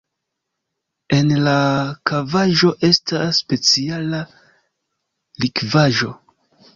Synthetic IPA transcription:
e̞nlakavaʒo̞ʔe̞staːpe̞t͡siala | likvaʒo̞

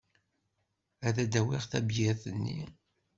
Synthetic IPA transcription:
æðæd̪æwiʁθæbjæθənːḭ

